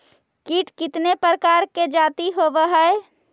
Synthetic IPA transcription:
kiːʈkɪt̪nepɾəkaːɾked͡ʒaːt̪iɦobəɦəe

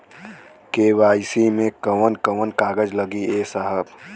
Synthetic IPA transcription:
keːʋaːɪsimẽkəʋənkəʋənkaːɡəd͡ʒləɡieːsaɦəb

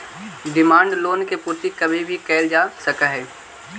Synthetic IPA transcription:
ɖɪmãːɳɖloːnkepuːɾt̪ikɐbʱibʱikɛːld͡ʒaːsɐkaɦɛː

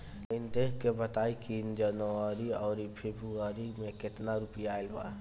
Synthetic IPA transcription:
lɪnt̪eɦkebət̪aːikind͡ʒənaɾiɔːɾipʰeːbɾuaɾimẽket̪naɾupijaelba̰

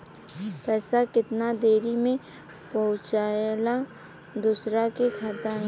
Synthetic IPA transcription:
pɛːsakɪt̪nad̪eːɾimẽ | pɐɦʊ̃t͡ʃaːlad̪uːsɾakekʰaːt̪a

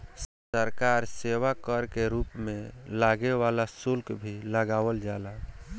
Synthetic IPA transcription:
səɾkaɾseʋakəɾkeɾuːpmẽlaɡeʋalasulkbʱiləɡaːwəld͡ʒala

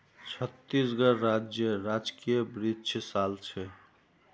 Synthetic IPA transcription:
t͡ʃʰət̪ːisɡəɾːad͡ʒjəɾad͡ʒkijəbɾid̪t͡ʃʰsalt͡ʃʰɛ

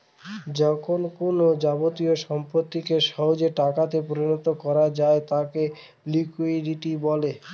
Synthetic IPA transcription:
d͡ʑɔkʰonkonod͡ʑabot̪ioʃɔmpɾot̪ːikeʃɔɦod͡ʑeʈakat̪epoɾinɔt̪okɔɾad͡ʑaet̪ake | likuiɖiʈibɔle

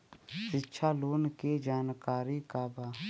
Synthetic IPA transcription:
ʃɪtːʃʰaːloːnked͡ʒaːnkaːɾiːkaːbaː

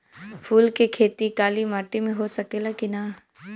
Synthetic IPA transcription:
pʰuːlkekʰeːt̪ikaːlimaːʈimẽɦosɐkeːlakina

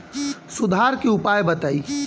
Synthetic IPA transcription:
sʊd̪ʱaɾkeʊpajbət̪aːi

